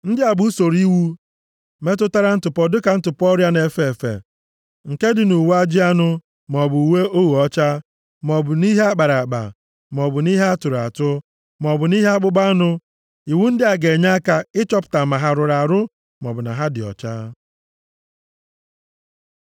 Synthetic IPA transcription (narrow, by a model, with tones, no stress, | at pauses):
n̩˦dɪ˦a˨bu˦so˨ɾi˦wu˦ | me˦tʊ˦ta˦ɾa˦n̩˦tʊ˨pɔ˦dʊ˦ka˨n̩˦tʊ˨pɔ˦ɾja˦ne˨fe˨e˨fḛ˨ | ŋ̩˨ke˦dɪ˨nu˨wa˦d͡ʒɪ˦a˦nʊ˦ | m˨ɔ˨bʊ˨u˨we˦o˦wu˨ɔ˦t͡ʃa˦ | m˨ɔ˨bʊ˨ni˦ɦe˦a˦k͡pa˨ɾa˨ɡ͡ba̰˨ | m˨ɔ˨bʊ˨ni˦ɦe˦a˦tʊ˨ɾa˨tʊ˦ | m˨ɔ˨bʊ˨ni˦ɦa˦k͡pʊ˦ɡ͡ba˦nʊ˦ | i˨wu˦n̩˦dɪ˦a˨ɡe˨ɲa˦a˦ka˦ɪ˦t͡ʃɔ˦pʊ̥˨ta˨ma˨ɦa˨ɾʊ˨ɾa˨ɾʊ˦ | mɔ˨bʊ˨na̰˨ɦa˦dɪ˨ɔ̰˨t͡ʃa̰ː˦